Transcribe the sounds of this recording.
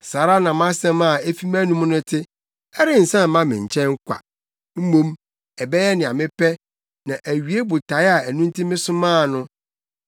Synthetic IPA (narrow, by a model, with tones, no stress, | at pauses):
saː˨ɾa˦nã˨m˦ã˦sɛ̃˦mã˦˨e˦fi˦m˦æ˦nũ˦m˦nʊ̃˦tʰɪ˦ | ɛ˦ɾɪ˦n̩˨sã˦m˨mã˦mɪ̃˨ɲ̩˨t͡ɕʰɛ̃˦ŋ̩˦kʰʷa̰˨ | m̩˦mõ˦m | ɛ˨bɛ˦jɛ˦nɪ̃˨a˨mɪ̃˦pɛ˦ | nã˨ʔæ˨ɥi˨˦e˦bʊ˨tʰa˨˦ɪ˦a˨æ˨nũ˦n̩˦tʰi˦mɪ̃˦sʊ̃˦mãː˦˨nʊ̃˦